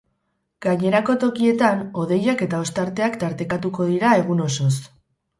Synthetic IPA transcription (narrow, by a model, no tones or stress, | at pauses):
ɡ̥aɲe̞ɾako̞t̪o̞kie̞t̪ano̞ð̞e̞jake̞t̪ao̞st̪aɾt̪e̞akt̪aɾt̪e̞kat̪uko̞ð̞iɾae̞ɣ̞uno̞so̞s